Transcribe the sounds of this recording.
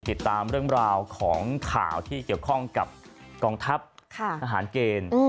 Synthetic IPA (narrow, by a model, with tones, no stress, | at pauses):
t̪i˨˩t̪ːaː˧mɾɯ˥˩əŋɾaː˧wkʰɔː˩˦ŋkʰa̰ː˨˩wt̪ʰiː˥˩ki˨˩əwkʰɔ˥˩ŋka˨˩p̚ | kɔː˧ŋt̪ʰa˦˥p̚kʰa˥˩aː˧ɦaː˩˦nkeː˧n˧